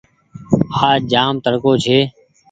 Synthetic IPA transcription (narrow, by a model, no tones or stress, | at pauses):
aːd͡ʒaːmt̪əɽkoːt͡ʃʰeː